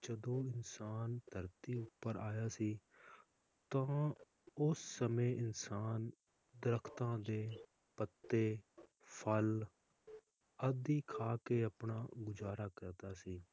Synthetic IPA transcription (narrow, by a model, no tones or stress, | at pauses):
d͡ʒəd̪õːɪnsaːnd̪ʰʱəɾt̪iːʊpːəɾaːjaːsiː | t̪ãː | ʊsːəmẽːɪnsaːn | d̪əɾəkʰt̪ãːd̪eː | pət̪ːeː | pʰəl | əd̪iːkʰaːkeːəpɳaːɡʊzaːɾaːkəɾd̪aːsiː